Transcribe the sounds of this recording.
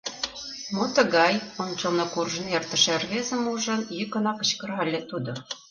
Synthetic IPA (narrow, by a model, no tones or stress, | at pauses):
mot̪ɤ̆ɣɑjont͡ɕɤ̆lˠnɤ̆kurʒɤ̆nert̪ə̆ʃærβezə̆muʒɤ̆njikɤ̆nɑkɤ̆ɕkɤ̆rʁɑlʲːĕt̪ud̪ɤ̆